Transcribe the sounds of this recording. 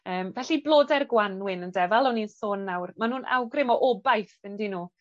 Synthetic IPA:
əːmvɛɬiblˠoːdɛrɡwanwɪnəndɛvalˠɔninsoːnːawrmanuːnʔa̰wɡrɪmɔʔɔbajθəndinuː

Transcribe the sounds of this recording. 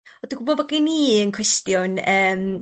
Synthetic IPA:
ɔd̥uɡubɔvaɡiniːənkʰr̥ɛstjʊnəːm

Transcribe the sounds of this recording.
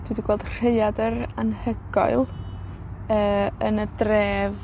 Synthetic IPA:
d̥widiɡwɛlˠd̥r̥eɨadəɾanhəɡ̥ɔ̰ɨlˠ | əːənədreːv

